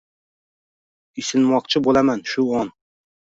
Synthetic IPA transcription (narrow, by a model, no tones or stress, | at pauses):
isɪnmɑq̚t͡ʃʰɪbolˠamɛnʃuon